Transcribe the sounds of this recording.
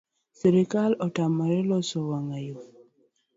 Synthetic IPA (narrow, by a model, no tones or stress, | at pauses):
siɾikalɔtamaɾɛlɔsɔwaŋajo